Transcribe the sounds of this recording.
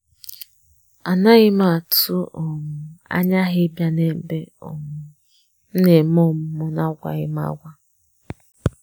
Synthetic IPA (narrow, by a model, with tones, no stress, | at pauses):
a˨na˦ɣɪ˦ma˦˨tu˦ʔɔ˨mʊ˨a̰˦ɲa˦ɦɪ˦bja˦ne˦˨be˦ɔ˨m˨ | n̩˦ne˨mɔ˦m̩˦mʊ˦na˦ɡʷa̰˨ɣɪ˦m˦a̰˦ɡʷa˦